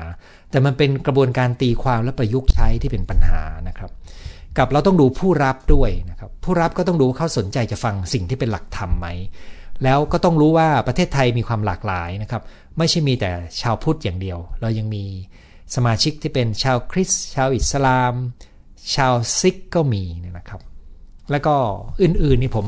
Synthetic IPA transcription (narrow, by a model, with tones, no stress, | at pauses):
t̪ɛː˨˩ma˧npe˧nkɾa˧bu˧ənkaː˧nt̪iː˧kʰwaː˧mlɛ˦˥pɾa˧ju˦˥k̚t͡ɕʰa˦˥jt̪ʰiː˥˩pe˧npa˧nha̰ː˩˦na˦˥kʰɾa˦˥p̚ka˨˩p̚ɾa˧wt̪ɔ˥˩ŋduː˧pʰuː˥˩ɾa˦˥p̚du˥˩əjna˦˥kʰa˦˥pʰːuː˥˩ɾa˦˥p̚kɔː˥˩t̪ɔ˥˩ŋduː˧waː˥˩kʰa˥˩so˩˦nt͡ɕa˧jt͡ɕa˨˩ʔfa˧ŋsi˨˩ŋt̪ʰiː˥˩pe˧nla˨˩k̚t̪ʰa˧mːa˦˥jlɛː˦˥wkɔː˥˩t̪ɔ˥˩ŋɾuː˦˥waː˥˩pɾa˧t̪ʰe˥˩t̪ʰːa˧jmiː˧kʰwaː˧mlaː˨˩k̚laː˩˦jna˦˥kʰa˦˥p̚ | ma˥˩jt͡ɕʰa˥˩jmiː˧t̪ɛ̰ː˨˩t͡ɕʰaː˧wpʰuː˥˩t̪̚jaː˨˩ŋdi˧əwɾa˧wja˧ŋmiː˧ | sa˧maː˧t͡ɕʰi˦˥k̚t̪ʰiː˥˩pe˧nt͡ɕʰaː˧wkʰɾi˦˥st͡ɕʰaː˧wʔi˨˩t̪̚sa˧laː˧m | t͡ɕʰaː˧wsi˦˥kːɔː˥˩miː˧n˥˩na˦˥kʰɾa˦˥p̚lɛ˦˥wkɔː˥˩ʔɯː˨˩nʔɯː˨˩nːiː˧˩pʰo˩˦m